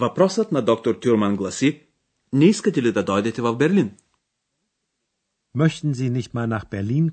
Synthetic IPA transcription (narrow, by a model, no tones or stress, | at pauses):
vɐpɾɔsət̪nad̪ɔk̚t̪oɾt̪ʲuɾmanɡlˠɐsi | nɛiskɐt̪ɛlid̪ad̪ɔjd̪ɛt̪ɛvɐfbɛɾlin | mœçt̪n̩ziːnɪçt̪maːlnaxb̥ɛɐliːn